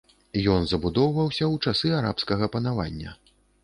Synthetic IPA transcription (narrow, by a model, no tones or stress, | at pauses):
jɔnzɐbud̪ɔwvɐwsʲɐwt͡ʂasɨaɾapskɐɣɐpɐnava̰nʲːɐ̰